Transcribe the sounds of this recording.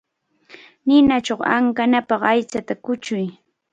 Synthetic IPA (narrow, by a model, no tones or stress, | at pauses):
nɪnat͡ʃoχa̰ŋkanapɑχajt͡sat̪akʊt͡ʃʊj